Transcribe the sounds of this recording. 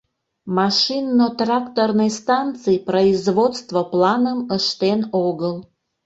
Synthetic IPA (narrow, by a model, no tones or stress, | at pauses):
mɑʃinːot̪rɑkt̪ornɨjst̪ɑnt̪t͡sɨjproizβot̪st̪voplɑnəməʃt̪enoɣəl